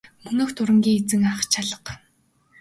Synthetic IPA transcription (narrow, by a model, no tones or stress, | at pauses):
mɵnoːxt̪ʰʊɾə̆ŋɡʲiːŋet͡sɘ̆ŋaχt͡ɕʰaɮə̆q